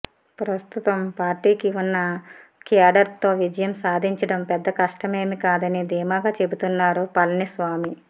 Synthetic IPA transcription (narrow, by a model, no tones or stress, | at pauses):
pɾɐst̪ut̪ɐmpaːɾʈiːkiunːɐkijaːɖɐɾt̪o̞ːʋid͡ʒɐjɐmsaːd̪ʱiɲt͡ʃɐɽɐmpɛd̪ːɐkɐʂʈɐme̞ːmikaːd̪ɐnid̪iːmaːɡaːt͡ʃe̞but̪unːaːɾupɐlnisʋaːmi